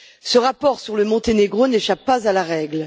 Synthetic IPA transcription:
səʁapɔʁsyʁləmɔ̃t̪eneɡʁoneʃapːazalaʁɛɡl

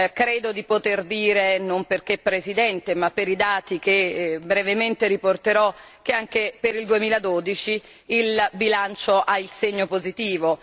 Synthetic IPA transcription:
kɾeːd̪od̪ipot̪erd̪iːɾenomperkepːɾezid̪ɛnt̪emapːeɾid̪aːt̪ikebɾevement̪eɾiport̪eɾɔ | k̟eaŋkepeɾild̪uemiːlad̪oːd̪it͡ʃiː | lbilant͡ʃoʔailseɲːopozit̪iːvo

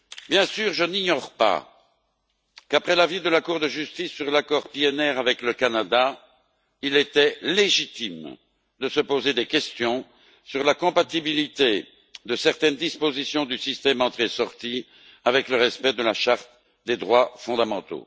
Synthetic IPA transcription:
bjɛ̃syʁʒəniɲɔʁpa̰ | kapχɛlavid̪əlakuʁd̪əʒyst̪isːyʁlakɔʁpiɛnɛʁavɛkləkanad̪a | ilet̪ɛleʒit̪im | d̪əsəpozed̪ekʲɛst̪jɔ̃ | syʁlakɔ̃pat̪ibilit̪e | d̪əsɛʁt̪ɛnd̪ispozisjɔ̃d̪ysist̪ɛmɑ̃t̪χesɔʁt̪i | avɛkləʁɛspɛd̪əlaʃaʁt̪ | d̪ed̪ʁwafɔ̃d̪amɑ̃t̪o̰

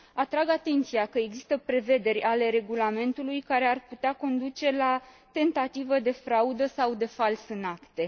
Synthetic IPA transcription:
at̪ɾaɡat̪e̞nt̪siakəeɡzist̪əpɾe̞ve̞d̪e̞ɾʲale̞ɾe̞ɡulame̞nt̪ulujkaɾe̞arput̪eako̞nd̪ut͡ʃe̞la | t̪e̞nt̪at̪ivəd̪e̞fɾaud̪əsawd̪e̞falsɨnakt̪e̞

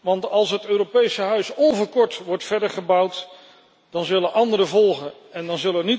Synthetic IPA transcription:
ʋɑntɑlˠsɦətøːropejsəɦœɥsolvəɹkɔɹtʋɔɹtfɛɹdəɹχəbʌwt | d̥ɑnzɵlənʔɑndəɾəvɔlˠχən | ɛndɑnzɵləɛni

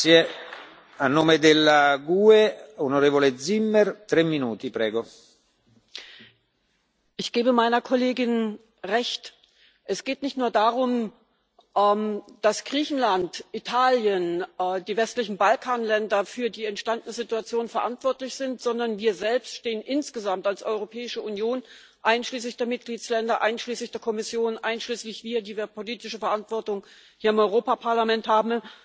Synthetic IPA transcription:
e | anːoːmed̪elːaɡueonoɾeːvoledzimːɛrt̪ɾɛmːinuːt̪ipɾɛːɡo | ʔɪçɡ̥eːbəmaɪnɐkʰoleːɡɪn | ʁɛçt | ʔɛsɡ̥eːtnɪçtnuːɐdaːʁʊm | ʔɛːmd̥asɡ̥ʁiːçn̩lantʔitʰaːljənːdiːvɛstlɪçn̩balkʰaːnlɛndɐfyːɐdiːɛntʃtandənəzɪtuat͡sjoːnfɛɐʔantv̥ɔɐtlɪçz̥ɪntz̥ɔndɐnviːɐzɛlpstʃteːənʔɪnsɡ̥əzamtalsʔɔʏʁ̞opʰɛːɪʃəʔunjoːn | ʔaɪnʃliːs̬lɪçd̥eːɐmɪt̚ɡ̥liːtt͡slɛndɐʔaɪnʃliːslɪçd̥eːɐkʰɔmɪsjoːnʔa̰ɪnʃliːslɪçv̥iːɐdiːviːɐpoliːtɪʃəfɛɐʔantv̥ɔɐtʊŋ | hiːɐɪmɔʏʁ̞oːpapʰaɐlamɛnthaːbm̩

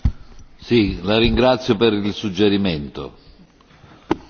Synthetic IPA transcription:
silaɾiŋɡɾat̪sːjopeɾilsud͡ʒːɛɾiment̪o̰

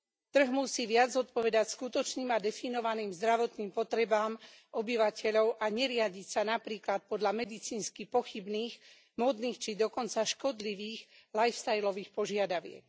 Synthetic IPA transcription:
t̪r̩ɦmusiːʋɪad͡zzɔt̪̚pɔʋɛd̪acskut̪ɔt͡ʃniːmad̪ɛfinɔʋaniːmzd̪ɾaʋɔt̪niːmpɔt̪ɾɛbaːm | ʔɔbiʋacɛʎɔʊʔaɲɛɾɪaɟicsanapɾiːklat̪̚pɔd̪ʎamɛd̪it͡siːnskipɔxibniːx | mɔd̪niːxt͡ʃid̪ɔkɔnt͡saʃkɔd̪liʋiːɣlajfst̪ajlɔʋiːxpɔʒɪad̪aʋɪɛ̰k

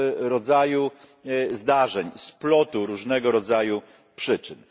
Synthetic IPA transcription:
ɾɔd̪zaju | zd̪aʐɛɲsplɔt̪uɾuʐnɛɡɔɾɔd̪zaju | pʂɘt͡ʂɘn

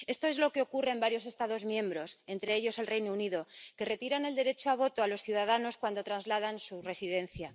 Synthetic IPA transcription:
e̞st̪o̞e̞zlo̞ke̞o̞kure̞ːmbaɾjo̞s̬e̞st̪aðo̞zmjẽ̞mbɾo̞se̞nt̪ɾe̞eʎo̞selrejnouniðo̞ke̞re̞t̪iɾane̞ld̪e̞ɾe̞t͡ʃoaβ̞o̞t̪oalo̞sθjuðað̞ano̞skwand̪o̞t̪ɾanzlað̞ansure̞sið̞e̞nθja

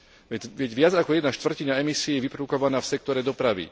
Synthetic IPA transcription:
ʋɛʋɛɟʋɪad͡zakɔjɛd̪naʃt̪ʋr̩ciɲaɛmisiɛjɛʋipɾɔukɔʋanaːfsɛk̚t̪ɔɾɛd̪ɔpɾaʋḭ

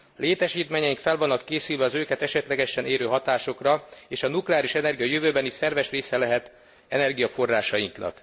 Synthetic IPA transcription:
leːt̪ɛʃiːt̪meːɲɛjiŋkfɛlvɒnːɒkːeːsylvɛɒzøːkɛt̪ɛʃɛt̪lɛɡɛʃɛnʔeːɾøːɦɒt̪aːʃo̞krɒeːʃɒnuklɛaːliʃɛnɛrɡijɒjøvøːbɛnisɛrvɛʃreːsɛlɛɦɛt̪ | ɛnɛrɡijɒfo̞rːaːʃɒjiŋknɒ̰k

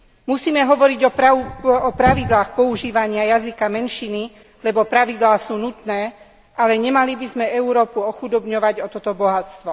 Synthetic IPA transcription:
musiːmɛɦɔʋɔɾiɟɔpɔpɾaʋid̪laːxpɔuʒiːʋaɲɪajazikamɛnʃini | lɛbɔpɾaʋid̪laːsuːnut̪nɛː | ʔalɛɲɛmalibizmɛɛuɾɔːpuɔxud̪ɔbɲɔʋaɟɔt̪ɔt̪ɔbɔɦat͡st̪ʋɔ

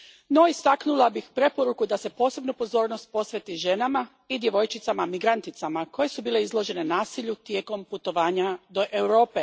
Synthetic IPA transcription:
no̞ist̪aknulˠabixpɾe̞po̞ɾukud̪ase̞po̞ːse̞bnupo̞zo̞ːɾnost̪̚po̞sʋe̞t̪iʒe̞nama | id̪je̞ʋo̞jt͡ʃit̪samamiɡɾant̪it̪samako̞je̞subiːle̞izlo̞ʒe̞ne̞naːsiʎut̪jeːko̞mput̪o̞ʋaːɲad̪o̞ʔewɾo̞ːpe

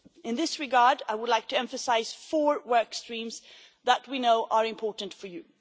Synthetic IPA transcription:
ɨ̃nðɪsɹɨɡɑɹdaɪwədˡlaɪk̚tʰɨɛ̃ɱfɨsaɪz̥fɔɹwɜ˞kstɹ̥ĩmz | ðət̚winoʊʔə˞ɨ̃mpʰɔɹʔn̩tfə˞jʉ

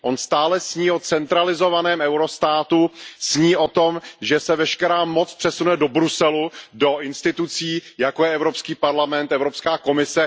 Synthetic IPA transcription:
ʔo̞nst̪aːlɛsɲiːo̞t͡sɛnt̪ɾalɪzo̞vanɛːmɛwɾo̞st̪aːt̪usɲiːʔo̞t̪o̞mʒɛsɛvɛʃkɛɾaːmo̞t͡spr̥ɛsunuɛdo̞bɾusɛludo̞ʔɪnst̪ɪt̪ut͡siːjakojɛɛvɾo̞pskiːpaɾlamɛnt̪ɛvɾopskaːko̞mɪsɛ

